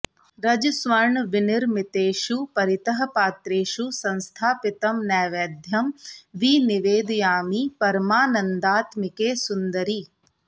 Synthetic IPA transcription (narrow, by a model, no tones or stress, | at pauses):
ɾɐd͡ʒsʋɐɾɳʋɪnɪɾmɪt̪eːʃupɐɾɪt̪ɐɦɐ̆paːt̪ɾeːʃusɐ̃nst̪ʰaːpɪt̪ɐmnɛːʋeːd̪ʱjɐmʋiːnɪʋeːd̪jaːmipɐɾmaːnɐnd̪aːt̪mɪkeːsʊnd̪əɾiː